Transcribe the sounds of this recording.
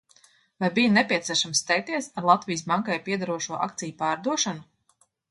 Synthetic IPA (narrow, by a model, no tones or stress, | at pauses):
vajbijanɛpʲiɛt̪siɛʃamst̪ɛjk̚t̪iɛsaɾlˠat̪vijs̬baŋkajpiɛd̪aɾuɔʃuɔʔa̰k̚t̪sijupaːɾd̪uɔʃanu